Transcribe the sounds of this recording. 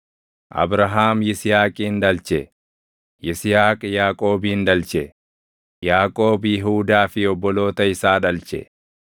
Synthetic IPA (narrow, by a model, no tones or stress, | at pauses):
ʔɐ̰bɾɐɦaːmjɪsɪjaːkʼiːnᶑ̪ɐlt͡ʃɛ | jɪsɪjaːkʼjaːkʼo̞ːbiːnd̪ɐlt͡ʃɛ | jaːkʼo̞ːbjɪɦuːd̪aːfɪɔbːɔlo̞ːt̪ɐɪsaːᶑɐlt͡ʃɛ̰